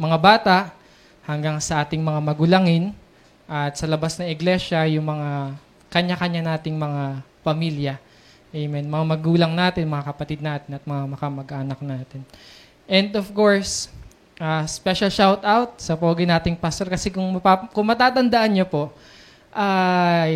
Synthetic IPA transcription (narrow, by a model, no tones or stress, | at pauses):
mɐŋabaːt̪ɐʔ | hɐŋɡaŋsɐʔaːt̪ɪŋmɐŋamɐɡʊlaŋɪn | ʔɐt̪̚sɐlɐbasnɐŋɪɡlɛʃɐjʊŋmɐŋa | kɐɲakɐɲanaːt̪ɪŋmɐŋa | pɐmiljɐ | ʔɛjmɛnmɐŋamɐɡuːlɐŋnaːt̪ɪnmɐŋakɐpɐt̪id̪̚naːt̪ɪnɐt̪̚mɐŋamɐkɐmɐɡʔaːnɐk̚naːt̪ɪn | ʔɛnd̪ofkoɹs | ʔaːspɛʃɐlʃawt̪awt̪̚sɐpɐwaɡɐjnaːt̪ɪŋpast̪oɾkɐsɛkʊŋmɐpakʊŋmɐt̪aːt̪ɐnd̪ɐʔanɲopo̞ʔ | ʔaj